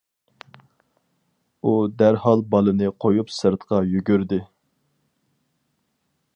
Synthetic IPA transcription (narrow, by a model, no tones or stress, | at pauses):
ud̪æɾhɑlˠbɑlˠɨnɨqʰojupsɨɾt̪qɑjyɡʲyɾd̪ɪ